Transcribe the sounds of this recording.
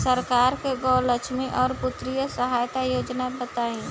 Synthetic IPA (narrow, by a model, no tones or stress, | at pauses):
səɾkaːɾkeɡɔːləʃmiʔɔːɾpʊt̪ɾijəsəɦaːjt̪ajoːd͡ʒnabət̪aːĩː